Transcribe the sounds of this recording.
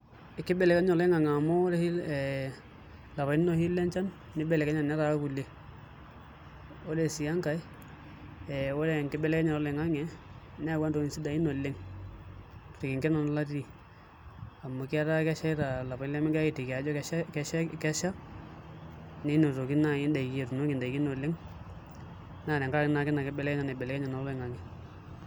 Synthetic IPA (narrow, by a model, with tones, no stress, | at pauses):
ɪ˨kːɪ˦bɛ˨lɛ˨ka˦ɲɔ˨lɛ˦ŋa˨ŋa˨mɔ˦ɾɛ˦hi˦ɛ | la˨βa˨i˦no˨hi˦lɛ˦nt͡ʃa˦nː | ɪ˦bɛ˨lɛ˨kɛ˦ɲa˨nɛ˦ɾa˨˦ku˨le˨ | o˦dɛ˨si˨ja˦ŋka˨j | ɛ˨wɔ˦lɛ˨ŋkɪ˦bɛ˦lɛ˦kɛ˦ɲɔ˨ɾɔ˦lɛ˨ŋa˦ŋɛ˨ | nɛ˦a˦˨ɡwa˦nto˨˦i˨nsi˦da˨i˦no˨lːe˦ŋ˨ | tɪ˨kɪ˨ŋkɛ˦na˨n˦la˦ti˨ | a˨mo˨ki˦a˦ɾa˦kɛ˦ʃa˦ɪ˦ɾa˨la˨pa˨ɪ˦lɛ˦mɪ˦ŋɡkɪ˨tɪ˨ka˨d͡ʒɔ˦kkɛ˦ʃkɛ˦ʃa˦ | ne˦no˨to˨kɪ˦na˦ɪ˦nda˨i˨ki˦e˨ɾu˨no˦kɪ˨nda˨i˨ki˦no˨lɪ˦ŋ | na˦˨lɛ˨ŋka˦a˨kɪ˦na˨kɪ˦na˨kɪ˦bɛ˦lɛ˦kɛ˦ɲa˨nɛ˨bɛ˨lɛ˨kɛ˦ɲa˨na˨lɔ˦lɛ˨ŋa˨ŋɛ˨